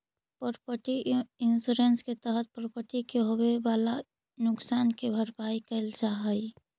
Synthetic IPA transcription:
pɔɾpəʈiɪnsuɾensket̪əɦət̪̚pɔɾpəʈikeɦowebaːla | nʊksaːnkebʱəɾpaikəɪld͡ʒaɦəi

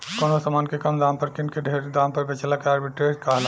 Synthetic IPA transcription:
konosəmaːnkekəmd̪ampəɾkinkeɖʱeɾd̪ampəɾbet͡ʃʰəlakeaːɾbiʈɾed͡ʒkaɦl

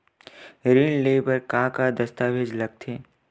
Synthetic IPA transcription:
ɾiːnleːbəɾkaːkad̪ɐst̪aːʋeːd͡ʒlɐɡ̚t̪ʰeː

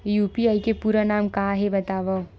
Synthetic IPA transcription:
juːpiaːikepuːɾanaːmkaːɦebɐt̪aːʋa

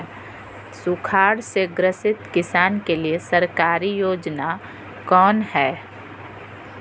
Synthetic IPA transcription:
sʊkʰaːɽseɡɾəsɪt̪kɪsaːnkeliesɐɾkaːɾijoːd͡ʒna | kɔːnhɛː

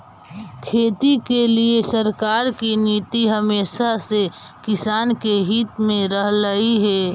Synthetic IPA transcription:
kʰeːt̪ikeliesəɾkaːɾkiniːt̪iɦɐmeːʃase | kɪsaːnkeɦiːt̪mẽɾɐɦləiɦɛː

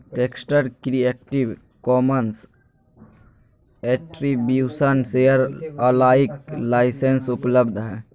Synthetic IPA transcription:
ʈeksʈəɾkɾiek̚ʈib | kɔːməns | eʈɾibjuːsənsejəɾəlaːiklaːɪsensʊpləbd̪ʱɦɛ

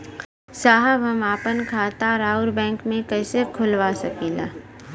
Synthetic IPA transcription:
saːɦəbɦɐmaːpənkʰaːt̪aɾaːʊɾbɛ̃ːŋkmẽkɛːsekʰʊlʋasɐkĩːla̰ː

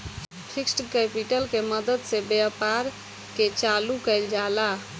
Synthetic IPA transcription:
pʰiksʈkɛpiʈəlkeməd̪əd̪sebapaɾ | ket͡ʃalukəɪld͡ʒala

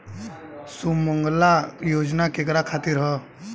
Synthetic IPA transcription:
suməŋɡlajod͡ʒnakekɾakʰat̪iɾɦə

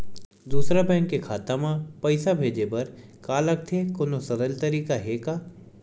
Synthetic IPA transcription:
d̪uːsɾabɛ̃ːŋkːekʰaːt̪amãpɐɪsabʱeːd͡ʒepɐɾkaːlɐk̚t̪ʰekonosɐɾəlt̪ɐɾiːkaɦeːkaː

